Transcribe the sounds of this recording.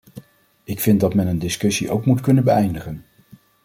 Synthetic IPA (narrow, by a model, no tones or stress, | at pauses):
ɪkfɪnt̚dɑtmɛnəndɪskɵsiʔo̰wkmutkɵnənbəɛjndəχən